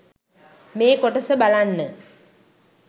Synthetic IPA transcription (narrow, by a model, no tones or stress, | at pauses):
meːkoʈəsəbalanːə